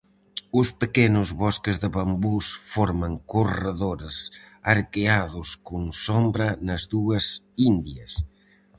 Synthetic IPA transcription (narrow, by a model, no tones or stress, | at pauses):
ʊspəkɛnʊzβɔskezðəβambusfɔɾmɐŋkurəðoɾs | aɾkeaðʊskuŋsombɾɐnɐzðuɐs | ind̪jɐs